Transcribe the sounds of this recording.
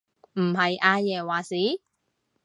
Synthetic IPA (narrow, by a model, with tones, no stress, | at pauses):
m̩˨˩hɐ˨jʔaː˧jɛː˨˩waː˨˩siː˨˥˦